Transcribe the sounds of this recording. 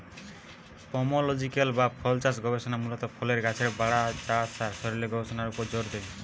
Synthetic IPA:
pɔmɔlɔd͡ʒikalbapʰɔlt͡ʃasɡɔbesɔnamulɔt̪ɔpʰɔleɾɡat͡ʃʰeɾbaɽat͡ʃasaɾsɔɾileɡɔbesɔnaɾupɔd͡ʒoɾd̪ej

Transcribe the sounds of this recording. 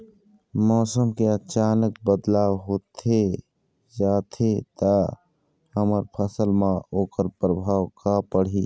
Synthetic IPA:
mɔːsəmkeət͡ʃanək̚bəd̪laːwɦoːt̪ʰe | d͡ʒaːt̪ʰet̪a | həməɾpʰəsəlmãoːkəɾpɾəbʱaːwkapəɽ̤i

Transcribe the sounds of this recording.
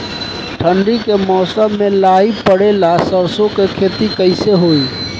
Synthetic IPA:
ʈʰəɳɖikemɔsəmːelaipəɽelasəɾsõkekʰet̪ikəɪseɦoi

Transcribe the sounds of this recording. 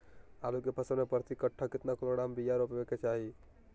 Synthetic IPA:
alukepʰəsənepɾət̪ikəʈʰːakɪt̪nakoloɽambijaɾopebeket͡ʃaɦi

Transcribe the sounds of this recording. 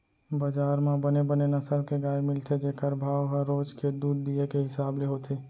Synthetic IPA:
bəd͡ʒaːɾmãbənebənenɐsəɾkeɡaːjemɪlt̪ʰed͡ʒeːkəɾbʱaːʋɦəɾoːd͡ʒked̪uːd̪̚ːiekeɦɪsaːbleɦoːt̪ʰeː

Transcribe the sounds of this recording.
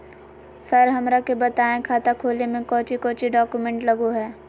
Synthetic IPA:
sɐɾɦɐmɾakebɐt̪aːẽkʰaːt̪akʰoːlemẽkɔːt͡ʃikɔːt͡ʃiɖɔːkumẽːɳʈlɐɡoɦɛː

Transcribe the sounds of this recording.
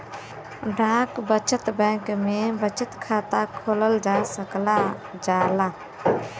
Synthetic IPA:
ɖʱãːkbət͡ʃət̪bɛ̃ːkmẽbət͡ʃət̪kʰaːt̪akʰoːləld͡ʒasəklad͡ʒaːla

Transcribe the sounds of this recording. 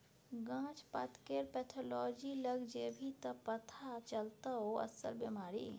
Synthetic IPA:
ɡãt͡ʃpət̪keɾpɛt̪ʰɔlɔd͡ʒiləɡd͡ʒebʱit̪əpət̪ʰat͡ʃəlt̪əoə̰sə̰lbemaːɾḭ

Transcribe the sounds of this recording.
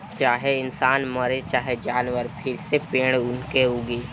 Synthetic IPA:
t͡ʃaːɦeɪnsaːnməɾet͡ʃaːɦed͡ʒaːnʋəɾpʰɪɾsepẽːɽ̃ʊnkeɦuːɡeː

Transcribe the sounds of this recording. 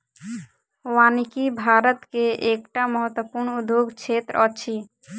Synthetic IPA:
wanikibʱaɾət̪keʔekʈaməɦət̪wəpuɾɳud̪ʱjoɡt͡ʃʰet̪ɾɔt͡ʃʰi

